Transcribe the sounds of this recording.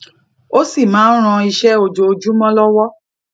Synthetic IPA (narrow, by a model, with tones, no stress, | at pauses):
o˦si˦˨mãː˨˦n̩˦ɾ̃ã˧i˧ʃɛ˦o˨d͡ʒo˧o˨d͡ʒu˦mɔ̃˦lɔ˦wɔ˦